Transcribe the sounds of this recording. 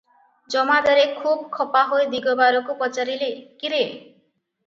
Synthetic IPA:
d͡ʒɔmad̪ɔɾekʰub̚kʰɔpaɦojd̪iɡɔbaɾɔkupɔt͡ʃaɾilekiɾe

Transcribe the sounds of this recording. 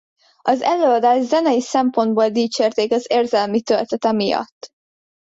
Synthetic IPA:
ɒzɛløːɒd̪aːʒzɛnɛjisɛmpo̞nd̪boːld̪iːt͡ʃeːrt̪eːkɒzeːrzɛlmit̪ølt̪ɛt̪ɛmijɒ̰t̪ː

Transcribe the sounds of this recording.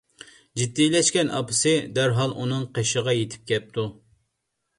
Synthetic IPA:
d͡ʒid̪ːilɛʃkʲɛnʔɑ̰pʰɨsɨd̪æɾɦɑlˠʔunɨŋqʰeʃəʁɑjet̪ʰɪ̥p̚kʲʰɛp̚t̪ʰu

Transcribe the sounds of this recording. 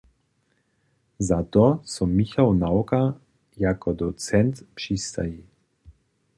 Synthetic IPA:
zat̪ɔsɔmixawnawka | jakɔd̪ɔt̪sɛnt̪pʃist̪a̰ji

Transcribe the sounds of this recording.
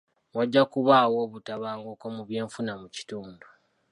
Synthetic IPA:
waɟːakuβaːwo̞ːβutaβaːŋɡo̞komuβje̞ːɱfunamuci̥tuːndu

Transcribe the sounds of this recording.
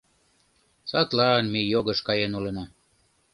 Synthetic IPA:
sɑt̪lɑːnmejoɣə̆ʃkɑjenulənɑ

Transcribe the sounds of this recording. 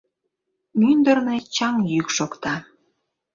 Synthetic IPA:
mynd̪ərnet͡ɕɑŋjykʃokt̪ɑ

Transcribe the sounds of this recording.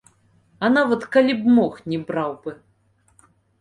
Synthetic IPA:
ɐnavɐt̪kalʲibmɔxnʲɛbɾawbɨ

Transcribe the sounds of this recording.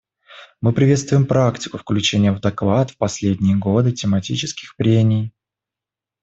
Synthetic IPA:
mɨpɾʲɪvʲe̞t̪st̪vʊjɪmpɾaktʲɪ̥kʊfklʲʉt͡ɕenʲɪjəvd̪ɐkvat̪fpɐsʲlʲedʲnʲɪjəɡo̞d̪ɨtʲɪmɐtʲit͡ɕɪskʲɪ̥xpɾʲemʲɪj

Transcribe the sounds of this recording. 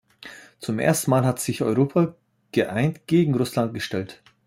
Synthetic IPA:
t͡sʊmʔḛːɐstn̩maːlɦatz̥ɪçʔɔʏʁoːpʰa | ɡ̥əʔaɪntɡ̥eːɡŋ̩ʁʊslant̚ɡ̥əʃtɛlt

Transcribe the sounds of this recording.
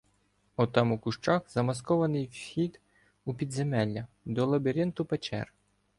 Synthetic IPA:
ɔt̪ɑmukʊʃt͡ʃɑxzɐmɐskɔʋɐnɪjwxʲid̪ | upʲid̪zemɛlʲːɐ | d̪ɔlˠɐbʲiɾʲent̪ʊpet͡ʃɛ̰r

